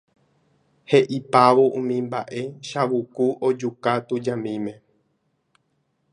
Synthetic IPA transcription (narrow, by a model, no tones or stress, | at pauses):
heʔipaʋoʔũmĩmba̰ʔe̞ʃaʋukuʔod͡ʒukat̪ud͡ʒãmĩmẽ̞